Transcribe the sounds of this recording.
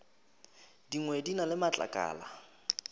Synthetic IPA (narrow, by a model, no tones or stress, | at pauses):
diŋwedinalɪmat͡ɬʼa̰kʼa̰ːla